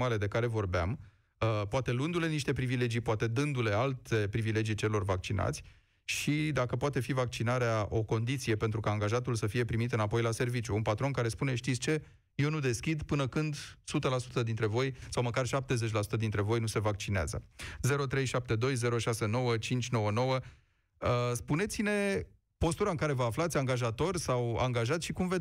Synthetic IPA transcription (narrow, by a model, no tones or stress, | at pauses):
ale̞d̪e̞kaɾe̞vo̞rbeam | əpoat̪e̞lund̪ule̞niʃt̪e̞pɾivile̞d͡ʒijpoat̪e̞d̪ɨnd̪ule̞alt̪e̞pɾivile̞d͡ʒijt͡ʃe̞lo̞rvak̚t͡ʃinʔa̰t̪sʲ | ʃid̪akəpoat̪e̞fivak̚t͡ʃinaɾeaʔo̞ko̞nd̪it̪sije̞pe̞nt̪ɾukaːŋɡaʒat̪ulsəfije̞pɾimit̪ɨnapo̞jlase̞rvit͡ʃjuːnpat̪ɾo̞nkaɾe̞spune̞ʃt̪it̪sʲt͡ʃe̞ | je̞wnud̪e̞skʲid̪pɨnəkɨnd̪sut̪əlasu̥t̪əd̪int̪ɾe̞vo̞jsawməkarʃap̚t̪e̞ze̞t͡ʃʲlasu̥t̪əd̪int̪ɾe̞vo̞jnuse̞vak̚t͡ʃinea̰zə̰ze̞ɾo̞t̪ɾe̞jʃap̚t̪e̞d̪o̞jze̞ɾo̞ʃase̞no̞wət͡ʃint͡ʃʲno̞wəno̞wə | əspune̞t̪sine̞ | po̞st̪uɾaɨŋkaɾe̞vəaflat̪sʲaŋɡaʒat̪o̞rʲsawa̰ŋɡaʒat̪sʲʃikumve